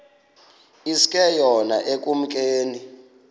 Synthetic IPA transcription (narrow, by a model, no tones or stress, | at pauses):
iskʼɛjɔna̰ʔek̬ʼum̩k̬ʼeːni